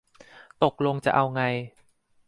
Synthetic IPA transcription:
t̪o˨˩k̚lo˧ŋt͡ɕa˨˩ʔa˧wŋa˧j

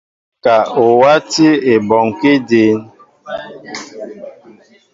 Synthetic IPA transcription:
ka˨o˨wa˦ti˦e˨bɔ˨ŋ˨ke˦de˨˦n

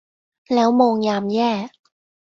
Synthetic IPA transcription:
lɛː˦˥wmoː˧ŋjaː˧mjɛː˥˩

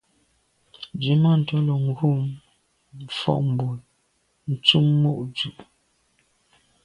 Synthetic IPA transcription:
d͡ʒi˨ma˦˨n̩˨tɔ˦lo˨ŋ˨˦ɡu˦˨m˨ | fɔ̰˦˨ʔm̩˨bu˨l | n̩˨t͡su˦mːo˦ʔd͡ʒu˨ʔ

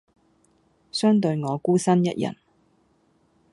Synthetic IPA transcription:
sœː˥ŋt̪̬ɵ˧ɥŋɔː˨˧kuː˥sɐ˥njɐ̰˥t̚jɐ̰˨˩n

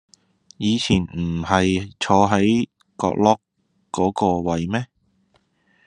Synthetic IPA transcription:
jiː˨˧t͡sʰiː˨˩nm̩˨˩hɐ˨jt͡ʃʰɔː˨˧ɦɐ˨˥j | kɔ̰ː˧k̚lɔː˥kː | ɔː˨˥kɔː˧wɐ˨jmɛː˥

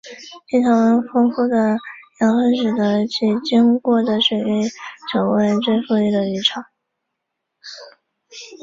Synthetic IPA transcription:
t͡ɕi˥˩t̪ʰɑ˧˥ŋwə˧˥nfɤ˥ŋfu˥˩d̪ə˩jɑ˧˥ŋə˥˩nʈ͡ʂɻ̩˨˩d̪ə˧t͡ɕʰi˧˨˩t͡ɕi˥ŋkwɔ˥˩d̪ə˩ʂwe˨˩ki˥˩ɪʈ͡ʂʰjo˨˩ʊwe˥˧ɪʈ͡ʂwe˥˧ɪfu˥˧li˥˩d̪ə˩y˧˥˩ʈ͡ʂʰɑ˨˩˦

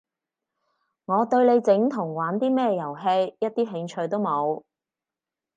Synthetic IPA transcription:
ŋɔː˨˧t̪ɵ˧ɥle˨˧jt͡sɪ˨˥ŋt̪ʰʊ˨˩ŋwaː˨˥nt̪iː˥mɛː˥jɐ˨˩wɦe˧jjɐ˥t̚t̪iː˥ɦɪ˨˧ŋt͡ʃʰɵ˧ɥt̪o˥wmo˨˧w

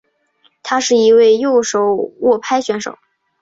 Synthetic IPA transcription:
t̪ʰa˥ʂɻ̩˥˩i˧˥we˥˧ɪjo˥˩ʊʂo˨˩ʊwɔ˥˩pʰa˥ɪɕɥɛ˧˥nʂo̰˨˩˦ʊ

